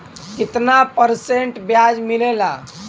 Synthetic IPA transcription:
kɪt̪napəɾseɳʈbjad͡ʒmilela

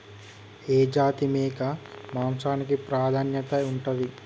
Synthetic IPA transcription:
eːd͡ʒaːt̪imeːkɐmaːmsaːnikipɾaːd̪ʱaːnjɐt̪ɐuɳʈɐd̪i

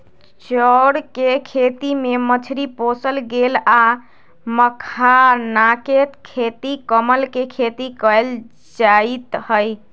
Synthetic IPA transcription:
t͡ʃɔɽkekʰet̪imemət͡ʃʰɾiposəlɡela | məkʰanaket̪kʰet̪ikəməlkekʰet̪ikəjl | d͡ʒait̪həj

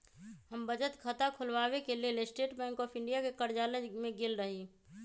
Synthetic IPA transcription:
ɦəmbəd͡ʒət̪kʰət̪akʰʊlwaːwekelelesʈeːʈbɛ̃ːŋkɔːpʰɪ̃ɳɖijakekəɾd͡ʒaːləmẽɡelɾəɦi

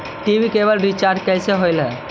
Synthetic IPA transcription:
ʈibikebəlɾit͡ʃaɾɖ̚kɛjseɦojlɦɛ̃

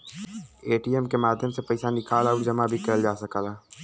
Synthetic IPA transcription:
eːʈiːɛmkemaːd̪ʱjəmsepɐɪsanɪkaːlaːɾd͡ʒɐmabʱikɐəld͡ʒaːsɐkaːlaː

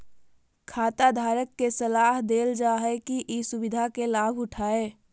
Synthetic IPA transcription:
kʰaːt̪ad̪ʱaːɾəkːesəlaːɦd̪eːld͡ʒaːɦɛkiʔisʊʋɪd̪ʱakelaːbʱʊʈʰaːeː

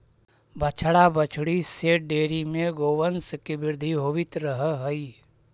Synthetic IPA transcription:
bət͡ʃʰɽabət͡ʃʰɽiseːʈ̚ɖeːɾimẽɡoːʋənskibɪɾd̪ʱiɦoːʋɪt̪ɾəɦɦəi

